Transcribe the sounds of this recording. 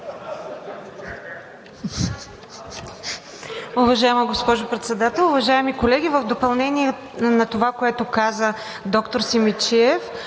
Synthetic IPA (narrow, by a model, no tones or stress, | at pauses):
ʊvɐʒaɛməɡospɔʒʊpɾɛt̪sɛd̪at̪ɛlˠʊvɐʒaɛmikolɛɡ̟ivəvd̪opɐlˠnɛniɛ | nɐt̪ovakoɛt̪ʊkazə | d̪ɔkt̪oɾsimit͡ʃiɛf